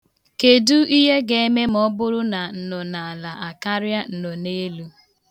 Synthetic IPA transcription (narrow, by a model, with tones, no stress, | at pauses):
ke˨du˦i˦ɦe˦ɡe˨e˦me˦m̩˨ɔ˦bʊ˦ɾʊ˦na˨n̩˦nɔ˨na˨a˨la˨ʔa˨ka˦ɾja˦n̩˨nɔ˨ne˦lu˦